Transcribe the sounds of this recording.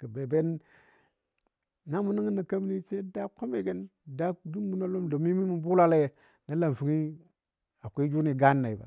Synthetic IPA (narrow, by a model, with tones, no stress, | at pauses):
kə˨be˨be˦n | na˦mu˦ni˦ŋi˦na˨ka˦m˦ni˦t͡ʃe˦da˦ko˦me˨ɡe˦n | da˦du˦mɡu˦no˦lo˦mdo˨mi˦mi˦mu˦bu˦la˦la˦je˨ | na˦la˨m˨fu˨ŋi˦ | a˨kʷe˦d͡ʒu˦ni˨ɡa˦nːa˨i˨ba̰˨